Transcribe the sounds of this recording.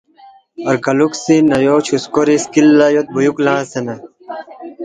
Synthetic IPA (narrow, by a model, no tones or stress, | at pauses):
ɐɾɡɐluksinɐjoːt͡ɕʰuskoɾiskilːɐjot̪̚bujuklãːsenɐ